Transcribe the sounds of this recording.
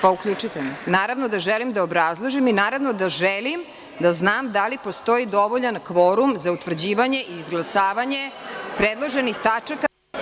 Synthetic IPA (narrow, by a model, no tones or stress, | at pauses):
paukʎut͡ʃit̪enaːɾaʋno̞d̪aʒelimd̪aobɾazlˠoʒiminaːɾaʋno̞d̪aʒelim | d̪aznaːmd̪alipost̪o̞id̪o̞ʋoʎankʋo̞ɾumzaut̪ʋr̩d͡ʑiːʋaɲe̞ʔiːzɡlˠasaːʋaɲepɾed̪lˠoʒenixt̪at͡ʂaka